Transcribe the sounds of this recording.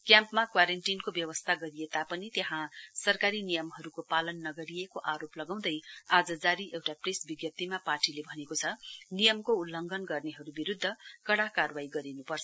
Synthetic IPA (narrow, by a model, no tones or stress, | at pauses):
kjãmpmakwaɾenʈinkobjʌwʌst̪ʰaɡʌɾiet̪apʌnit̪eɦãsʌrkaɾinijʌmɦʌɾukopalʌnːʌɡʌɾiekoʔaɾoplʌɡaw̃d̪ʌjad͡zʌd͡zaɾiʔewʈapresbiɡjʌt̪ːimapaʈilebʱʌnekot͡sʰʌnijʌmkoulːʌŋɡʱʌnɡʌrneɦʌɾubiɾud̪ʱːʌkʌɽakarwaiɡʌɾinupʌrt͡sʰʌ